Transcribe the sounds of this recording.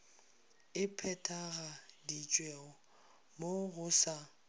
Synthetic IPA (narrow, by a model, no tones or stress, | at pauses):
ɪpʰɛtʼaɣadit͡ʃʼwɛɔ | moɣʊsa